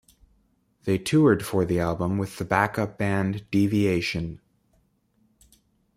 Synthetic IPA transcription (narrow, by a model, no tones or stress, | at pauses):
ðeɪtʰʉə˞d̥fə˞ðiælˠbə̃mwɨð̥əbækʌp̚b̥æ̃nd̥ivieɪʃɨ̃n